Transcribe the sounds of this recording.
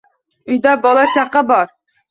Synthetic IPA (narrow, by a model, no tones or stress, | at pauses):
ʊjd̪abɒlˠat͡ʃʰaqɨbɒɾ